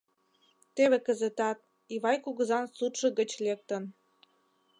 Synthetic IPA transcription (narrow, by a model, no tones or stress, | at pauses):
t̪eβekəzet̪ɑt̪̚ | iβɑjkuɣə̆zɑnsut̪ʃə̆ɣə̆t͡ɕlek̚t̪ən